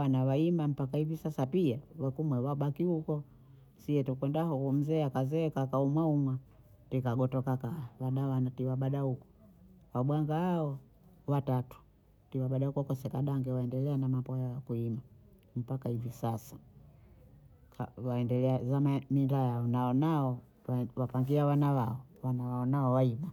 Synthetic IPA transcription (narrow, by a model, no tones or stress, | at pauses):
anawaimbam̩pakahivisasapiawakumwɛwaɓakihukɔ | siɛtukwɛndahukum̩zɛakazɛkakaumwaumwa | tikaɡɔtɔkakawaɗawanatiwaɓaɗahukɔ̥ | waɓwaŋɡaːɔ | watatu̥ | tiwaɓaɗaukwkɔsɛkaɗaŋɡɛwaɛndɛlɛanamapɔjajakuima | m̩pakahivisasḁ | kawaɛndɛlɛazamamindajaɔnaɔnaɔ | wapaŋɡiawanawaɔwanawaɔnaɔwaima